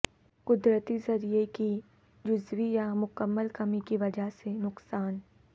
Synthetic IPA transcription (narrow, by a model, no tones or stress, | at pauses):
kʊd̪ɾət̪izɐɾieki | d͡ʒʊzʋijamʊkəmːəlkɐmikiʋɐd͡ʒaɦsenʊqsaːn